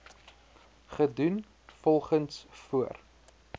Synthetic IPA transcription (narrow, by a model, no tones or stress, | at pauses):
χədun | fɔlˠχənsfuər